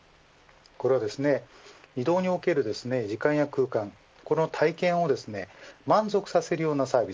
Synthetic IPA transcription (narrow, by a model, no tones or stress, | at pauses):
ko̞ɾe̞βad̪e̞sɨne | id̪o̞ːɲ̟io̞ke̞ɾɯ̟d̪e̞sɨne̞d͡ʑikãɰ̃jakɯ̟ːkãŋ | ko̞no̞t̪ʰaikẽ̞ɰ̃o̞d̪e̞sɨne̞mãnzo̞kɯ̟sase̞ɾɯ̟jo̞ːnasaːbʲi